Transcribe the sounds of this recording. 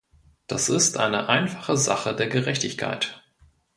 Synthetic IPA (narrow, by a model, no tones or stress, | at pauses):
d̥asɪstʔa̰ɪnəʔaɪnfḁχəzaχədeːɐɡəʁɛçtɪçkʰa̰ɪt